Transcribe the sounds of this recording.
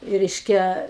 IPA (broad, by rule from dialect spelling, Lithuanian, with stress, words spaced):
ˈrʲɛɪʃʲkʲɛ